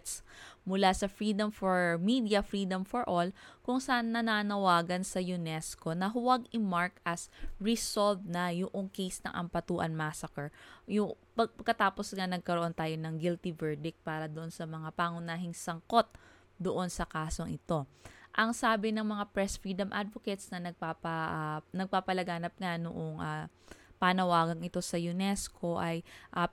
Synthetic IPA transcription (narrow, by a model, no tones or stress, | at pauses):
t̪smʊlasɐfɹiːd̪ɐmfoɹmid̪jɐfɹiːd̪ɐmfoɹʔolkʊŋsɐʔanːɐnaːnɐwaːɡɐnsɐjʊnɛsko̞nɐɦʊwaɡɪmaɹkɐsɹɪsolvnɐjʊʔoŋkɛjsnɐ̰ŋʔɐ̰mpɐt̪uːʔɐ̰nmasɐkɛɹjʊŋ | pɐɡ̚pɐɡ̚kːɐt̪aːpo̞sŋanɐɡ̚kɐɾoʔo̞nt̪aːjo̞nɐŋɡɪlt̪ɪvɛɹd̪ɪk̚paːɾɐd̪oʔo̞nsɐmɐŋapaŋʊnaːɦɪŋsɐŋko̞t̪̚ | d̪oʔo̞nsɐkaːso̞ŋʔɪt̪o̞ʔɐŋsaːbɪnɐŋmɐŋapɹɛsfɹiːd̪ɐmʔa̰d̪̚vokɛt̪snɐnɐɡ̚papɐnɐɡ̚paːpɐlɐɡaːnɐp̚ŋanʊ̰ʔoŋʔapanɐwaːɡɐŋɪt̪o̞sɐjʊnɛskʰoʔɐjʔɐ